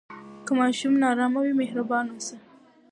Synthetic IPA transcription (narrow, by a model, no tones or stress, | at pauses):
kəmɑʃumnɑɾɑmawimehɾabɑnosa